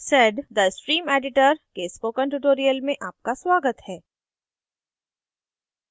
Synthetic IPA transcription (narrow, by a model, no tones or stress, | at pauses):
sɛɖd̪əɪsʈɾiːmeːɖɪʈəɾkeskoːkə̃ɳʈuʈoːɾijəlmẽʔaːp̚kaswaːɡət̪hɛː